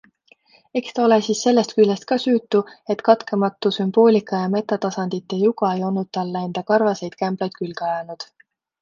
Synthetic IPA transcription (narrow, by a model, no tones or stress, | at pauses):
e̞kst̪ɑo̞le̞siːsːe̞lːe̞st̪̚kylʲːest̪̚kɑsyːt̪ːˑue̞t̪kɑt̪kemɑt̪ːˑusymb̥o̞ːlʲikˑɑjɑme̞t̪ːˑɑt̪ɑsɑnd̪̥it̪ːˑejuɡɑe̞jo̞lnːud̪̥̚t̪ɑlːe̞nd̪̥ɑkɑrvɑse̞jd̪̥kæmb̥lɑjd̪̥̚kylɡɑjɑnud̪̥